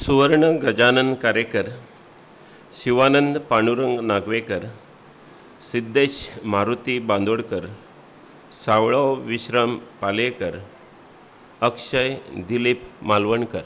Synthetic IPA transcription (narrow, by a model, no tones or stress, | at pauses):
suʋəɾɳəɡəd͡ʑanənd̪kaɾekəɾ | ɕiʋanənd̪paɳ̃uɾəŋɡnaɡʋekəɾ | sid̪ːeɕmaɾut̪iband̪ʱoɽkəɾ | saʋɭəwʋiɕɾampalekəɾ | əkʂəjd̪ilipmalʋəɳkəɾ